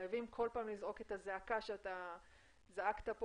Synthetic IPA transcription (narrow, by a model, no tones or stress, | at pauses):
javimkʰo̞lpaːmlizʁo̞ke̞t̪azeakaʃeat̪a | zaakt̪apo